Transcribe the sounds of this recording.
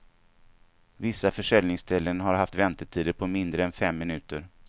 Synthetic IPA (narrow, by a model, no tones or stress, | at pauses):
vɪsːafœʂɛlnɪŋst̪ʰɛlːənɦaɾɦaft̪vɛnt̪əʈʰiːd̪əɾpʰɔmɪnd̪ɾəɛnfɛmːɪnʉ̟ːt̪əɾ